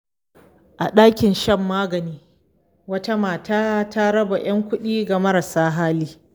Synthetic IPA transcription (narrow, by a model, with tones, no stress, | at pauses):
ʔa˨ɗaː˦kʲɪ˨nʃɐ˦˨mːaː˦ɡɐ˨niː˦ | wɐ˦ta˦maː˨taː˦ta˦ɾɐ˦ba˨j̰ɐ˦ŋkʷʊ˦ɗiː˦ɡa˨mɐ˦ɾa˨saː˦ɦaː˦liː˦